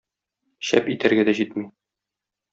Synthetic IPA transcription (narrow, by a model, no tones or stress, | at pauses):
ɕæ̰pit̪æɾɡæd̪æʑit̪mi